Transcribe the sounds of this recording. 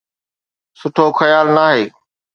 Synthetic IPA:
sʊʈʰoxɐjaːlnaːɦeː

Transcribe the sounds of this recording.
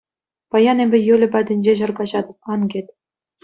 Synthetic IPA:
pɑjɑnebʲɘ̆jølʲɘ̆pʲæd̪ʲɘ̆nʲd͡ʑeʑɤ̆rɡɑʑɑd̪ɤ̆p̚ɑnɡʲet̪ʲ

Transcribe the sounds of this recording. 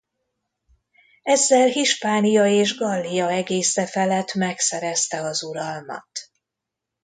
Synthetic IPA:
ɛzːɛlɦiʃpaːnijɒeːʒɡɒlːijɒɛɡeːsɛfɛlɛt̪mɛksɛɾɛst̪ɛɒzuɾɒlmɒ̰t̪

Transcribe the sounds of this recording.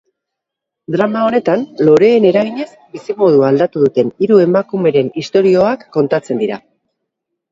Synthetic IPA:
d̪ɾamao̞ne̞t̪anlo̞ɾe̞ːne̞ɾaɣiɲe̞zbisimo̞ð̞uald̪at̪uðut̪e̞niɾue̞makume̞ɾe̞nist̪o̞ɾio̞akːo̞nt̪at͡se̞nd̪iɾa̰

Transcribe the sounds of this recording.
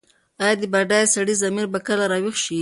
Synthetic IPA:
ɑjɑd̪əbaɖajsaɽizamiɾbakəlaɾɑwixʃi

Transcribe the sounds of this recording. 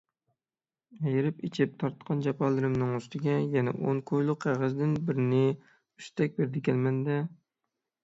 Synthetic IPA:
ɛjɪɾɪpit͡ʃʰɪp̚t̪ʰɑɾt̪qʰɑnd͡ʒɑpʰɑlˠɨɾɪmnɨŋyst̪ɪɡʲɛjɛnɛ̰ʔoŋkʰojlˠʊqʰːæʁəzd̪ɪnbɪɾɪnɪ | yʃt̪ʰɛk̚ʲbeɾd̪ɪkʲʰɛlmɛnd̪ɛ

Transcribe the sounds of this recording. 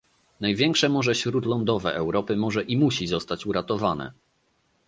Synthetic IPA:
najvʲjɛŋkʂɛmɔʐɛɕɾut̪lɔnd̪ɔvɛ̰ʔɛwɾɔpɘmɔʐɛʔimuɕizɔst̪at͡ɕuɾat̪ɔvanɛ̰

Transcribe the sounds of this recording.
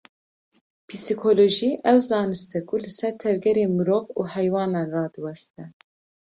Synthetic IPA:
pʰisikʰoːloʒiːʔɛwzɑːnɨst̪ɛkʰulɨsɛɾt̪ʰɛvɡɛɾeːmɨɾoːvuːhɛjwɑːnɑːnrɑːd̪ɨwɛst̪ɛ

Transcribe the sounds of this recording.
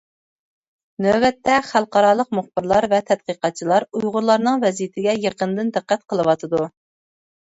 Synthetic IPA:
nøwɛt̪ʰːɛχælˠqɑɾɑːlˠəqmuχbɪɾlˠɑɾvɛt̪ʰɛd̪̚qəqɑt̪̚t͡ʃʰilˠɑɾujʁʊɾlˠɑɾnɨŋvɛzijɪt̪ʰɪɡʲɛjəqənd̪ɨnd̪ɨqːæt̪̚qʰəlˠɨwɑt̪ʰɨd̪u

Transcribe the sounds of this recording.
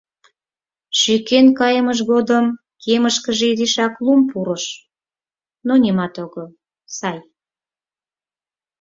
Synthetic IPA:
ʃykenkɑjəməʃ̬ɣod̪əm | kʰeməʃkəʒeiziʃɑklumpuɾəʃ | nonimɑt̪oɣo | sɑj

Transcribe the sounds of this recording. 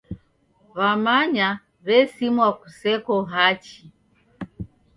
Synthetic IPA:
βamaɲa | βɛsimwakusɛkɔɦat͡ʃi

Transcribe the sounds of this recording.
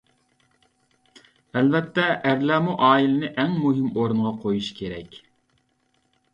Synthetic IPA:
ɛlvɛt̪ːɛʔæɾlæːmuʔɑːilɪnɪʔɛŋmuɦɪmoɾuɴʁɑqʰojuʃkʲʰeɾɛ̰kʲ

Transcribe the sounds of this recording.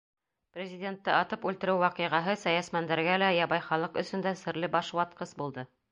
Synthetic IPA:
prʲɪzʲɪdʲent̪ːɤɑt̪ɤpʉlt̪ɘ̆ɾɘwːɑqɤ̆ʁɑɦɤsæjæsmænd̪æɾɡælæjɑβɑjχɑlˠɤqɵ̆sɵ̆nd̪æsɘ̆ɾlɘbɑʃwɑt̪̚qɤsbulˠd̪ɤ

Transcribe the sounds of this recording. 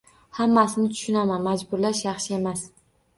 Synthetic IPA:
hamːasɪnɪt̪ʰʊ̥ʃʊnamanmad͡ʒbʊɾlaʃjɑχʃɪe̞mas

